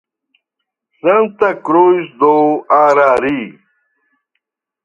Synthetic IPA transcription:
sɐnt̪ɐkɾoːisd̪oːaːɾaːɾi

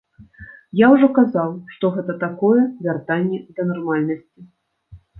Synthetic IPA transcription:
jawʐɔkazawʂt̪ɔɣɛt̪ɐt̪akɔjɛvʲart̪anʲːɛd̪ɐnarmalʲnɐsʲt͡sʲi

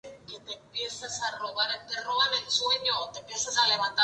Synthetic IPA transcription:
kit̪epjesasaroβaɾeperoβanensueɲot̪epjesasaleβant̪a

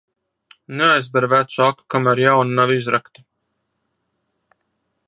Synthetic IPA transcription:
neajzbɛɾvæt̪saku̥kamæɾjawnunavizɾakt̪i̥

